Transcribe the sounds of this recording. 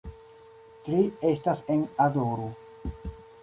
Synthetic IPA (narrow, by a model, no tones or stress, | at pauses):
tɾiestase̞nadoɾo